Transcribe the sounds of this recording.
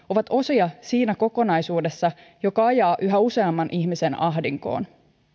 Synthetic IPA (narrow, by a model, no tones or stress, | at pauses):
o̞ʋɑt̪o̞siɑsiːnæko̞ko̞nɑjsuːde̞sːɑ | jo̞kɑɑjɑːʔyɦæuse̞ɑmːɑnʔiçmise̞nɑɦdiŋko̞̰ːn